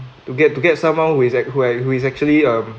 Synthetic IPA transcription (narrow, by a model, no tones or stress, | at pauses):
tuɡɛt̚tːuɡɛt̚sãmwãnhuisɛhuɛhuis̬ɛk̚t͡ʃuəliʌ̃m